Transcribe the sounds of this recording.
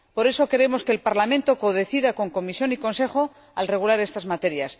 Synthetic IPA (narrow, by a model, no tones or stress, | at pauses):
po̞ɾe̞so̞ke̞ɾe̞mo̞ske̞ːlpaɾlamẽ̞nt̪o̞koðe̞θiðako̞ŋko̞misjo̞niko̞nse̞χo̞ | alre̞ɣ̞ulaɾe̞st̪azmat̪e̞ɾjas